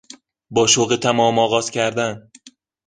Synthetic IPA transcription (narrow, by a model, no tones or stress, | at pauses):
bɒːʃoɣet̪ʰæmɒːmɒːɣɒːz̥cʰæɾd̪æn